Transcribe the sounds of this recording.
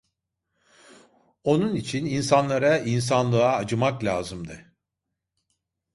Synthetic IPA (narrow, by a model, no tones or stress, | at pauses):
o̞nunit͡ʃʰininsanlˠaɾains̬anlˠɯaːd͡ʒɯmaklʲaːzɯmd̪ɯ